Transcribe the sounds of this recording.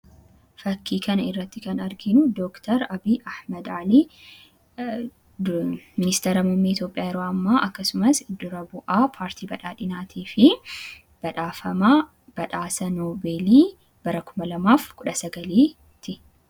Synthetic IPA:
fɐkːiːkɐnɐɪrːɐt̪ːɪkɐnɐɾɡɪnʊd̪oːkt̪ɐɾɐbiːʔɐhmɐd̪ʕaliː | mɪnɪst̪ɛɾɐmʊmːiːɪt̪jo̞ːpʼːɪjaːjɛɾoːɐmːaːʔɐkːɐsʊmɐsɪd̪ːʊɾɐbʊʔaːpʰaːɾt̪ʰiːbɐᶑaːᶑɪnaːt̪ʰiːfɪ | b̥ɐᶑaːfɐma | b̥ɐᶑaːsɐnoːbe̞ːliː | b̥ɐɾɐkʰʊmɐlɐmaːfkʼʊᶑɐsɐɡɐliː | t̪ɪ

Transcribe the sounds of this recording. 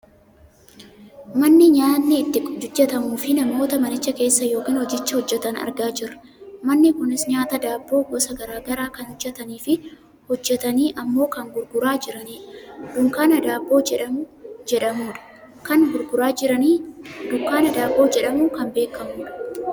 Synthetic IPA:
mɐnːɪɲaːnːɪːt̪ːɪkʼd͡ʒʊd͡ʒːɛt̪ɐmuːfɪnɐmo̞ːt̪ɐmɐnɪt͡ʃːɐke̞ːsːɐjo̞ːkiːnhɔd͡ʒɪt͡ʃːɐhɔd͡ʒːɛt̪ɐnɐ̰ɾɡaːd͡ʒɪrɐ̥ | mɐnːɪkʊnɪsɲaːt̪ɐd̪aːbːo̞ːɡɔsɐɡɐɾaːɡɐɾaːkɐnhɔd͡ʒːɛt̪ɐniːfɪ | hɔd͡ʒːɛt̪ɐniːʔɐmːo̞ːkɐŋɡʊɾɡʊɾaːd͡ʒɪɾɐniːᶑd̪ʊŋkaːnɐd̪aːbːo̞ːd͡ʒɛᶑɐmʊd͡ʒɛᶑɐmuːᶑɐ̥ | kɐŋɡʊɾɡʊɾaːd͡ʒɪɾɐniːd̪ʊŋkaːnɐd̪aːbːo̞ːd͡ʒɛᶑɐmʊkɐmbe̞ːkːɐmuːᶑɐ̥

